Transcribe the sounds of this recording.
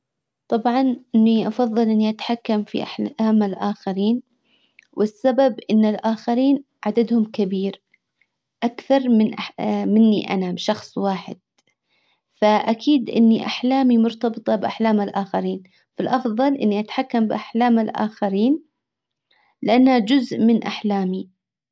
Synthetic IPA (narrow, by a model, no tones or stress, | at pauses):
t̪ˤɑbʕɑnʔɪnːiʔɑfɑðˤːɨlʔɪnːiʔat̪ḁħakːamfḭʔa̰ħaːmalʔaːxaɾiːn | wʔɪsːababʔɪnːɪlʔaːxaɾiːn | ʕad̪ad̪hʊmkabiːɾ | ʔakθɑɾˤmɪnʔamɪnːḭʔa̰nabʃɑxsˤwaːħɪ̰d̪̥̚ | faʔakʰiːd̪ʔɪ̰nːiʔaħlaːmimʊɾt̪ɑbɨt̪ˤɑbʔaħlaːmalʔaːxaɾiːn | falʔɑfðˤɑlʔɪnːiʔat̪ħakːambɪʔaħlaːmalʔa̰ːxaɾiːn | lɪʔanːhad͡ʒʊzʔmɪnʔaħlaːmi